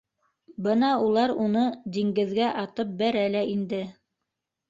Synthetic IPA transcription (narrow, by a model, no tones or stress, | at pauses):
bɤnɑulˠɑɾunɤd̪iŋɡɘ̆ðɡæʔɑt̪ɤp̚bæɾælæʔind̪ɘ